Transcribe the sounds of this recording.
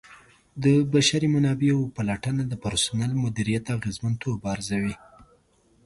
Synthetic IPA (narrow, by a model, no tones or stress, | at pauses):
d̪əbaʃaɾimanɑbeawpalaʈənad̪əpaɾsʊnalmʊd̪iɾijat̪aɣezmant̪oɾbaːɾzawi